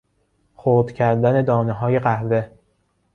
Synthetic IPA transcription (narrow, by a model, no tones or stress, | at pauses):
xoːd̪̥cʰæɾd̪æne̞d̪ɒːneɦɒːje̞ɢæhve̞